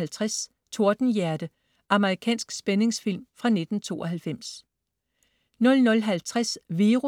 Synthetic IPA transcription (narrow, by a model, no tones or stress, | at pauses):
lt͡sʰʁas | t͡sʰo̝ɐd̥n̩jæɐd̥ə | ʔɑ̈məʁikʰɛ̰ːnsɡ̥sb̥ene̝ŋsfil̰mfʁɑ̈ne̝d̥n̩t͡sʰo̝̰ːʔɒɦælfem̰s | nɔ̽lnɔ̽lɦælt͡sʰʁasʋiːʁu